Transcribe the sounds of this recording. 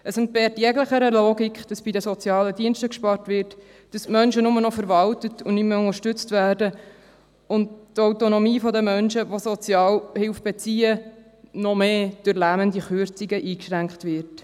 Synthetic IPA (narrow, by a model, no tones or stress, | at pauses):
ʔəsʊntbɛːtjɛɡləχəɾəloːɡikχd̥ɑsb̥idəsɔt͡sjɑːlədiənʃtəkʃpɑrtʋɪrt | d̥ɑsmœnʃənʊmənɔfəɾʋɑltətʊnymːəʊnəɾʃtʏt͡stvæːɾdə | ʊnttɔwtonɔmiːfɔdəmœnʃəʋosɔt͡sjɑːlhɪlfb̥et͡siːə | nɔmeːd̥øɾlæməndiχøɾt͡siɡəʔiːkʃʁæŋkχtʋɪɾt